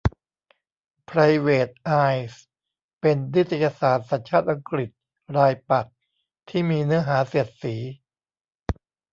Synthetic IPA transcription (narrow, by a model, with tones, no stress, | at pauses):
pʰɾa˧jweː˨˩t̪̚ʔaː˧js | pe˧ndi˦˥t̪ʰa˧jaː˧saː˨˩˦t̪̚sa˨˩˦nt͡ɕʰaː˥˩t̪̚ʔa˧ŋkɾi˨˩t̪̚ | ɾaː˧jpa˨˩t̚ | t̪ʰiː˥˩miː˧nɯ˦˥ɐɦaː˩˦siː˨˩ət̪̚siː˩˦